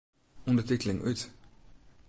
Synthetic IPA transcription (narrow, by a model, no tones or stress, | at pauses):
ɔndəɹtitəlɪŋʔyt